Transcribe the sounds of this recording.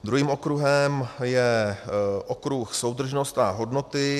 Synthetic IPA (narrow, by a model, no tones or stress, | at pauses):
d̪ɾuɦiːmokɾuɦɛmjɛ | ʔokɾuxso̞wd̪r̩ʒno̞st̪aɦo̞dno̞t̪ɪ